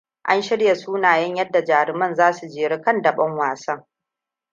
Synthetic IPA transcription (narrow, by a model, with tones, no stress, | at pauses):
ʔa˦nʃɪ˦ɽja˨suː˦naː˨jɐ˦ɲjɐ˦dːa˨d͡ʒaː˨ɾɪ˨˦mɐ˦nzaː˦su˨d͡ʒeː˨ɽɪ˦kɐ˦ndɐ˨ɓɐ˦ŋwaː˨sɐ˦ŋ